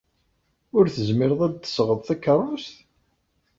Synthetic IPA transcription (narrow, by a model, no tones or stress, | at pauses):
ʊɾθəzmɪɾðˤæd̪θə̥sʁəðˤθækːəɾˤʊst̪